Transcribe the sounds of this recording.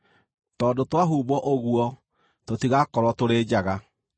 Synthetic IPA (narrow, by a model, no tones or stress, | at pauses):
tɔːndotwaɦuːβɔʔoɣwɔ | totiɣakɔɾwɔtoɾeːd͡ʑaɣa